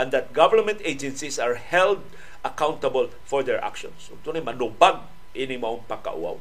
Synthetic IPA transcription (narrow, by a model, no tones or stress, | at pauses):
ʔɛ̃nd̪at̪̚ɡavəɹmɛ̃nt̪ed͡ʒɛ̃nsisaɹhɛld̪ | akawnt̪abəl | fɔɹd̪ɛɹʔa̰kʃɔ̰̃nsʊ̰t̪unamanubaɡ | ʔɪnimaʊ̃ŋpaka̰ʔṵa̰w